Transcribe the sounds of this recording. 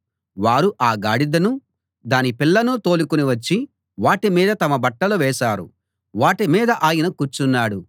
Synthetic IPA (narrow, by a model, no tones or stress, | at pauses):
ʋaːɾuʔaːɡaːɽid̪ɐnu | d̪aːnipilːɐnut̪o̞ːlukuniʋɐt͡ʃːi | ʋaːʈimiːd̪ɐt̪ɐmɐbɐʈːɐluʋɛːʃaːɾṵ | ʋaːʈimiːd̪ɐʔaːjinɐkuːt͡ʃunːaːɽu